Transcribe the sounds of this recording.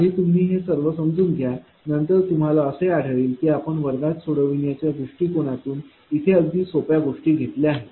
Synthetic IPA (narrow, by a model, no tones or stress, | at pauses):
əɦiːt̪um̤ːiːɦesəɾʋəsəmd͡zuːnɡ̪ʱja | nənt̪əɾt̪um̤alaəsəjaɽ̤ʱəɭiːlk̪iapəɳʋəɾɡ̪at̪soɽəʋiɳjat͡ɕjad̪ɾuʂʈiːkoɽ̃at̪uːn | it̪ʰeəɡd̪ʱiːsopjaɡoʂʈiːɡʱet̪leaɦe